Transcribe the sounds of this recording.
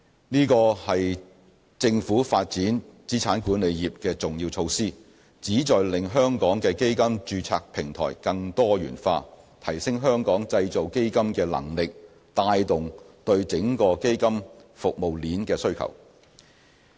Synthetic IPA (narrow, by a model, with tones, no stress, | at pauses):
niː˥kɔː˧hɐ˨j | t͡sɪ˧ŋfuː˨˥faː˧t̚t͡siː˨˥nt͡siː˨˥t͡sʰaː˨˥nkuː˨˥nle˨˧jjiː˨p̚kɛː˧t͡sʊ˨ŋjiː˧wt͡sʰo˧wsiː˥ | t͡siː˨˥t͡sɔː˨jlɪ˨ŋɦœː˥ŋkɔː˨˥ŋkɛː˧ke˥jkɐ˥mt͡ʃyː˧t͡sʰa̰ː˧k̚pʰɪ˨˩ŋt̪ʰɔ̰ː˨˩jkɐ˧ŋt̪ɔː˥jy̰ː˨˩nfaː˧ | t̪ʰɐ˨˩jsɪ˥ŋɦœː˥ŋkɔː˨˥ŋt͡sɐ˧jt͡so˨wke˥jkɐ˥mkɛː˧lɐ̰˨˩ŋlɪ˨k̚ | t̪aː˧jt̪ʊ˨ŋt̪ɵ˧ɥt͡sɪ˨˥ŋkɔː˧ke˥jkɐ˥mfʊ˨k̚mo˨wliː˨˥nkɛː˧sɵ˥ɥkʰɐ̰˨˩w